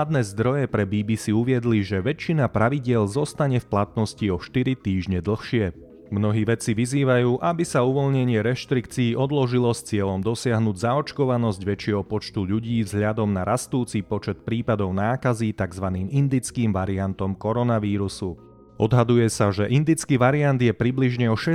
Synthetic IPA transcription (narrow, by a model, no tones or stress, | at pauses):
ad̪nɛːzd̪ɾɔjɛpɾɛbiːbiːsiuʋɪɛd̪liʒɛʋɛt͡ʃinapɾaʋiɟɪɛlzɔst̪aɲɛfplat̪nɔsciɔʃt̪iɾit̪iːʒɲɛd̪l̩xʃɪɛ | mnɔɦiːʋɛt͡siʋiziːʋajuːʔabisauʋɔlɲɛɲɪɛɾɛʃt̪ɾikt͡siːʔɔd̪lɔʒilɔst͡sɪɛʎɔmd̪ɔsɪaɦnuɟzaɔt͡ʃkɔʋanɔzɟʋɛt͡ʃɪɛɦɔpɔt͡ʃt̪uʎuɟiːvzɦʎad̪ɔmnaɾast̪uːt͡sipɔt͡ʃɛt̪̚pɾiːpad̪ɔʊnaːkazit̪aɡzʋaniːmind̪it͡skiːmʋaɾiant̪ɔmkɔɾɔnaʋiːɾusu | ɔd̪ɦad̪ujɛsaʒɛʔind̪it͡skiːʋaɾiand̪jɛpɾibliʒɲɛɔʃɛ